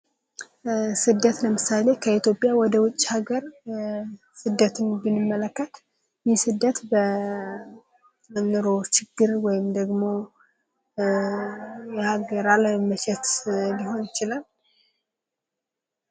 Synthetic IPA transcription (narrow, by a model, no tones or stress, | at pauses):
sɨd̪ːət̪ləmɨsale̞kʰəit̪ʰjo̞pʼːjawɔd̪əwʊt͡ʃʼːhaɡəɾ | sɨd̪ːət̪ʰɨnbɨnɨmːələkːət̪ | jɪsɨd̪ːət̪bə | mənːɨɾo̞t͡ʃɪɡːɨɾwɔjɪmd̪əɡmo̞ | jɛhaɡəɾaləmət͡ʃʰɛt̪biɦo̞njɪt͡ʃɪlal